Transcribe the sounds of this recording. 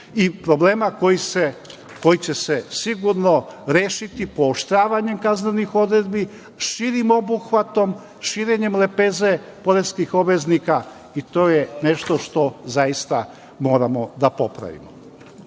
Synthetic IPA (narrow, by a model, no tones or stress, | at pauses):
ipɾo̞bleːmakojise | ko̞jit͡ɕe̞sesiɡuɾno̞ɾeːʃit̪ipo̞ːʃt̪ɾaːʋaɲe̞mkaznenixo̞d̪ɾe̞d̪bi | ʃiːɾimo̞buxʋat̪o̞m | ʃiːɾe̞ɲe̞mlepeːzepo̞ɾeskixo̞bʋe̞znika | it̪o̞ːjene̞ʃt̪o̞ʃt̪o̞zajist̪a | mo̞ːɾamo̞d̪apo̞pɾa̰ʋḭmo